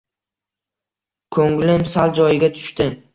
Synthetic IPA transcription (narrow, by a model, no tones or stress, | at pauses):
kʰɵŋlɪmsald͡ʒɒjɪɡʲat̪ʰʊ̥ʃt̪ɪ